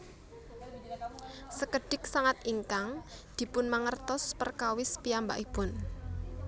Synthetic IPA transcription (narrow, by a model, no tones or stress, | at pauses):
səkəɖ̥ɪk̚saŋat̪iŋkaŋd̪̥i̤pʊnmaŋərt̪ɔspərkawɪspiamba̰ʔib̥ʊn